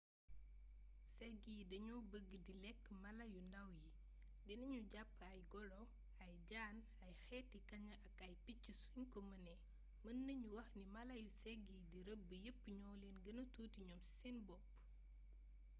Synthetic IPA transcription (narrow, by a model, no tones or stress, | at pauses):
sɛɡidɐɲɔːbəɡːədilɛkːmɐlɐjundɐwji | dɛnɐɲuɟapːɐjɡɔlɔ | ɐjɟaːn | ɐjxɛtikɐɲɐʔɐkɐjpicːisuɲkɔmɐnɛ | mənːɐɲuwɐxnimɐlɐjusɛɡidiɾəbːəjəpːɲɔːlenɡɐnɐtuːtiɲɔmsinbɔpː